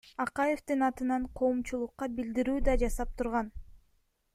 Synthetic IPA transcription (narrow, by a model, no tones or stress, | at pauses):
ɑqɑje̞ft̪ɯnɑt̪ɯnɑɴqʰo̞ːmt͡ʃulˠuqːɑbild̪iɾyːd̪ɑd͡ʒɑsɑp̚t̪ʰuɾʁɑn